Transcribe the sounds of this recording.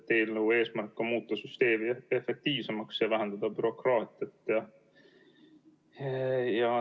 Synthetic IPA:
t̪ːeːlnuue̞ːsmærkːɑmuːt̪ːɑsyst̪e̞ːmiefːek̚t̪iːvsemɑksjevæɦænd̪ɑd̪ɑb̥yɾo̞krɑːt̪ˑiɑt̪ːˑjɑ | jɑ

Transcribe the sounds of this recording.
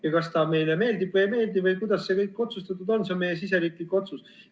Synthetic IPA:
jɑkɑst̪ɑme̞jleme̞ːld̪ib̥vəjme̞ːld̪ibvɤjkujd̪̥ɑsːe̞kɤjkːˑo̞t̪sust̪ɑt̪ːˑud̪o̞nsenme̞jes̬is̬eɾiːkliko̞t̪sus

